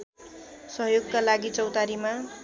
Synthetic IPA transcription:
sʌɦjoɡkalaɡit͡sʌwt̪aɾima

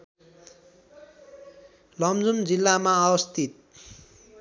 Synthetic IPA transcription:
lʌmd͡zumd͡zilːamaːwʌst̪it̪̚

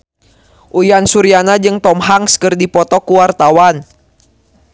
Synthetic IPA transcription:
ʔujansuɾianad͡ʒɨŋt̪ɔmɦaŋskɨrdipɔt̪ɔkuwart̪awan

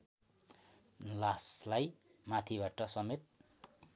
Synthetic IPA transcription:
laslaj | mat̪ʰibaʈʌsʌmet̪̚

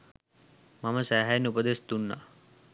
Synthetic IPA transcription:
maməsæɦajnːupəd̪est̪unːa̰

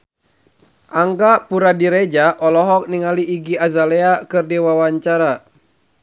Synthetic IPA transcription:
ʔaŋɡapuɾadiɾed͡ʒaʔɔlɔɦɔk̚niŋaliːɡiazalɛakɨrdɛwawaɲt͡ʃaɾa

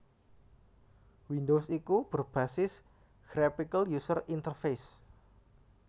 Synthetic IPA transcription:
wind̪osikub̥ərb̥asɪs | ɡ̥ɾapikəljusərint̪ərfes

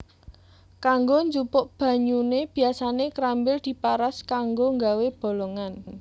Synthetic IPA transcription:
kaŋɡoɲd͡ʒupʊʔb̥ä̤ɲuneb̥i̤asanekɾambɪld̪̥i̤paɾaskaŋɡoŋɡaweb̥o̤lɔŋan

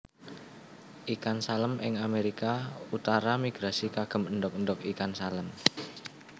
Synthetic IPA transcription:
ʔikansaləmɪ̰ŋameɾikaut̪aɾamiɡ̥ɾasikaɡ̥ə̤mənɖɔk̚əɳɖɔk̚ikansaləm

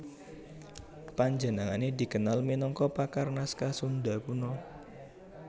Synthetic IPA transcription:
paɲd͡ʒə̤naŋanedi̤kənalminɔŋkɔpakarnaskasund̪akunɔ

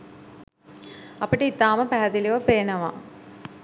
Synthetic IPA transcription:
apiʈəit̪aːməpæɦæd̪iliʋəpeːnəʋa̰

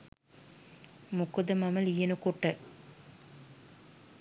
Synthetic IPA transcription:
mukud̪ɐmɐmɐlijɐnukuʈːɐ

